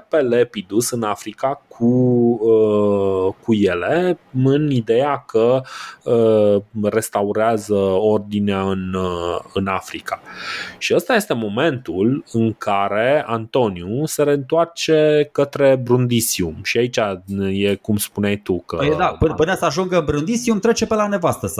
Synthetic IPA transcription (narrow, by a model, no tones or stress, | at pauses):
pelepid̪usɨnafɾikakʰuə | kuje̞le̞ɨnid̪e̞jakʰəəre̞st̪auɾeazəo̞rd̪ineaɨnɨnafɾikʰaʃiəst̪aje̞st̪e̞mo̞me̞nt̪ulɨŋkʰaɾe̞ant̪o̞niuse̞ɾe̞ɨnt̪oart͡ʃe̞kət̪ɾe̞bɾund̪isiumʃiait͡ʃaje̞kumspuneajt̪ukəd̪apɨnɨnəsəaʒuŋɡəɨnbɾund̪isiumt̪ɾe̞t͡ʃe̞pe̞lane̞vast̪əs